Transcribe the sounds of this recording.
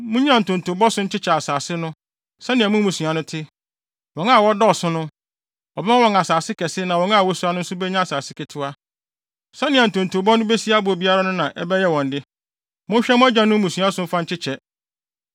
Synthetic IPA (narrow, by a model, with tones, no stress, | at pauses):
mʊ̃˦ɲ˦ã˦˨n̩˨tʰʊ̃˨n˨tʊ˨bɔ˦sʊ˦ɲ̩˦t͡ɕʰɪ˦t͡ɕʰɛ˨a˨saː˨sɪ˦nʊ̃˦ | sɛ˦nɪ̃˨ɛ˨mʊ̃˦mũ˨su˨a˨nʊ̃˦tʰɪ˦ | wɔ̃˨ŋa˦˨wɔ˦dɔ˦ɔ˨sʊ̃˦nʊ̃˦ | ɔ˨bɛ˦mã˦wɔ̃˦ŋa˨saː˨sɪ˦kʰɛ˨sɪ˦nã˨wɔ̃˨˦ŋa˦˨wɔ˦su˦a˦nʊ̃˦n̩˦sʊ˦bɛ˦ɲã˦a˨saː˨sɪ˦kʰɛ˨tʰʊ˦a˦ | sɛ˦nɪ̃˨ɛ˨n̩˨tʰʊ̃˨n˨tʰʊ˨bɔ˦nʊ̃˦be˦si˦a˦bʊ˨ɔ˨bi˦a˦ɾa˦nʊ̃˦nã˨ʔɛ˦bɛ˦jɛ˦wɔ̃˨n˨dɪ˦ | mʊ̃˦ɛ˦mʊ̃˦æ˦d͡ʑã˨nʊ̃˦mũ˨sũ˨a˦sʊ̃˦fã˦ɲ̩˦t͡ɕʰɪ˦t͡ɕʰɛ˨